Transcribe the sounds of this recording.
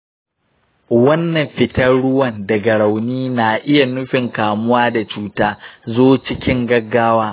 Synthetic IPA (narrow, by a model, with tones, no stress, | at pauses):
wɐ˦nːɐ˨mɸɪ˨tɐ˦ɽʊ˦wɐ˨ndɐ˨ɡɐ˨ɽa˨wniː˦naː˨ʔɪ˦ja˨nʊ˦ɸɪ˨ŋkaː˨mʊ˦waː˦da˨t͡ʃuː˦taː˦zoː˦t͡ʃɪ˦kʲɪ˦ŋɡɐ˦ɡːaː˦waː˦